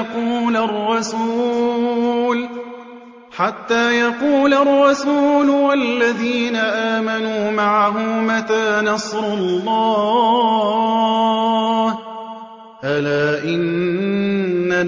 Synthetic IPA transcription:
quːlarˤːɑsuː | l | ħat̪ːaːjɑquːlarˤːɑsuːlwalːaðiːnaʔaːmanuːmaʕaɦʊmmat̪aːnɑsˤɾɑlːɑː | h | ʔalaːʔɪn | a

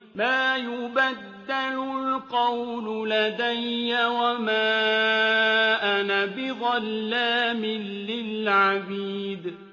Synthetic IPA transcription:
maːjʊbad̪ːalʊlqɑwlʊlad̪ajːawamaː | ʔanabɪɣɑlːaːmɪnːɪlʕabiːd̪

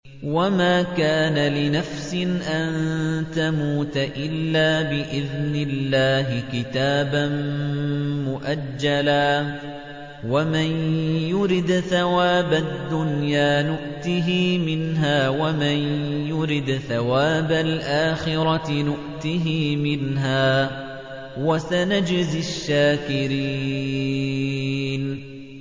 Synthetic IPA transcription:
wamaːkaːnalɪnafsɪnʔant̪amuːt̪aʔɪlːaːbɪʔɪðnɪlːaːɦɪkɪt̪aːban | mʊʔad͡ʒːalaː | wamɪnjʊɾɪd̪θawaːbad̪ːʊnjaːnʊʔt̪iɦiːmɪnɦaːwamanjʊɾɪd̪θawaːbalʔaːxɪɾɑnʊʔt̪iɦiːmɪnɦaː | wasanad͡ʒzɪaʃːaːkɪɾi | n

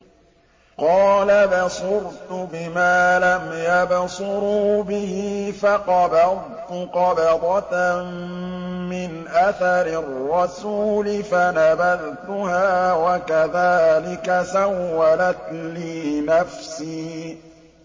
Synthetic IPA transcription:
qɑːlabɑsʊɾt̪ʊbɪmaːlamjabsʊɾuːbɪhiːfɑqɑbɑð | t̪ʊqɑbɑd̪ˤɑt̪ | mɪnʔaθaɾɪrːɑsuːlɪfanabaðt̪ʊhaːwakaðaːlɪkasawːalat̪liːnafsiː

